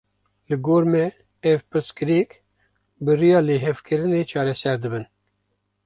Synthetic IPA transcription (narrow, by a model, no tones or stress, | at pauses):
lɨɡoːɾmɛ | ɛvpɨɾskɨɾik | bɨɾijɑːleːɦɛvkʰɨɾɨneːt͡ʃʰɑːɾɛsɛɾd̪ɨbɨn